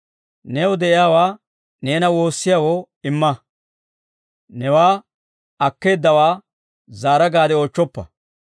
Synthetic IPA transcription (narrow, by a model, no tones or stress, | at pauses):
nɛwʊd̪ɛʔɪjaːwaː | ne̞ːnɐwo̞ːsːɪjawoː | ɪmːɐ | nɛwaː | ɐkːe̞ːd̪ːɐwaː | zaːɾɐɡaːd̪ɛoːt͡ʃːɔpːɐ